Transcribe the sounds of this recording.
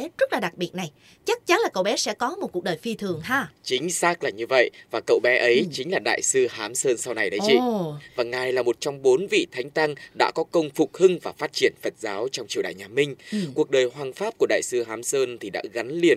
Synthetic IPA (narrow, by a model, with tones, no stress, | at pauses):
zə˦˥t̚laː˨˩ɗa˨˩k̚ɓi˨˩ət̚na˨˩j | t͡ɕa˦˥k̚t͡ɕa˨˦nlaː˨˩kə̰˧˨wɓɛ˨˦sɛ̰˧˥kɔ˨˦mo˨˩ku˨˩ək̚ɗəː˨˩jfi˧t̪ʰɨ˨˩əŋɦaː˧t͡ɕï˨˦ŋ̟saː˦˥k̚laː˨˩ɲɨ˧və̰˧˨jvaː˨˩kə̰˧˨wɓɛ˨˦ʔə˨˦jt͡ɕï˨˦ŋ̟laː˨˩ɗa̰ː˧˨jsɨ˧haː˨˦msəː˧nsa˧wna˨˩jɗə˨˦jt͡ɕḭ˧vaː˨˩ŋaː˨˩jlaː˨˩mo˨˩t̚t͡ɕɔ˧wŋ͡mɓo˨˦nvḭ˧˨t̪ʰa˨˦jŋ̟t̪a˧ŋɗa̰ː˧˥kɔ˨˦kə˧wŋ͡mfʊ˨˩k͡p̚hɨ˧ŋvaː˨˩faː˦˥t̚t͡ɕi˧˩ənfə˨˩t̚zaː˨˦wt͡ɕɔ˧wŋ͡mt͡ɕi˧˩əwɗa̰ː˧˨ɲaː˨˩mï˧ŋ̟ku˨˩ək̚ɗəː˨˩jɦwaː˨˩ŋfaː˦˥p̚ku˧˩əɗa̰ː˧˨jsɨ˧ɦaː˨˦msəː˧nt̪ʰi˨˩ɗa̰ː˧˥ɣa˨˦nli˨˩ən